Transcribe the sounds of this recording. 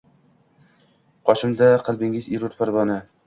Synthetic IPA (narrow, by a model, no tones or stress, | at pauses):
qʰɒʃɪmd̪aqʰɨlˠbɪŋɪziɾʊɾt̪pʰaɾvɒnɪ